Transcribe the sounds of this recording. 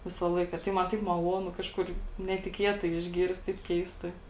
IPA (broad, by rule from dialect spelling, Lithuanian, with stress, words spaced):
ˈʋʲɪsɐ ˈlˠɐɪkɐ tɐɪ mɐn ˈtɐɪp mɐˈlˠuɔnʊ ˈkɑːʃkʊr nʲɛtʲɪˈkʲiɛtɐɪ ɪʒʲˈɡʲiːrst tɐɪp ˈkʲɛɪstɐɪ